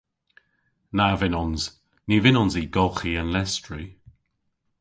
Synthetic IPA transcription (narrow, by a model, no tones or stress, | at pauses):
navɪnɔnz̥ | nivɪnɔnziːɡɔlˠxiənlɛstɹi